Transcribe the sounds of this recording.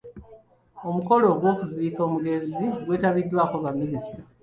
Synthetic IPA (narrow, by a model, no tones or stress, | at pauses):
o̞muko̞lo̞ːɡwo̞ːkuziːko̞ːmuɡe̞nziɡwe̞ːtaβidːwaːkoβamːinisi̥ta